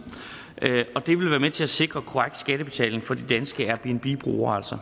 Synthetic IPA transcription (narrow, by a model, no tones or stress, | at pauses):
ʔøɒ̽d̥e̝ʋe̝lʋæːɐmet͡sʰe̝æse̝ɡ̥ʁɐkʰo̝aɡ̥d̥sɡ̥æd̥əb̥e̝t͡sʰɛ̰ːleŋ̩fɒ̽d̥id̥ænsɡ̥əæɐb̥lienb̥ib̥ʁṵːɐæl̰sɒ